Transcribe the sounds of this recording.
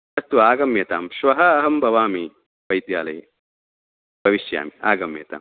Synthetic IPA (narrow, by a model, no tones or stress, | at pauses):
ɐt̪ːuaːɡɐmjɐt̪aːmʃʋɐɦɐɐɦɐmbʱɐʋaːmi | ʋɐjd̪jaːlɐjɐ | bʱɐʋiʃja̰ːmia̰ːɡɐmjɐ̰t̪a̰ːm